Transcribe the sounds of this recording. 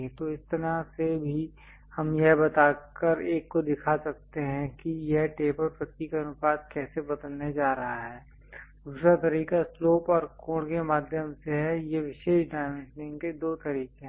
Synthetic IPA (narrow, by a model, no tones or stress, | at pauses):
t̪oɪst̪ɐɾasebʱi | hɐmjɐɦbɐt̪aːkəɾeːkːod̪ɪkʰasɐk̚t̪eɦɛ̃kijeɦʈeːpəɾpɾət̪ikaɐnʊpaːd̪̚kɛːsebɐd̪əlned͡ʒaːɾɐɦaɦɛː | d̪uːsɾat̪ɐɾiːkasloːpɔːɾkõːɽkemaːd̪ʱjəmseɦɛjeʋɪʃeːʃɖaːɪʋə̃nsɪ̃ŋɡked̪oːt̪ɐɾiːkẽɦ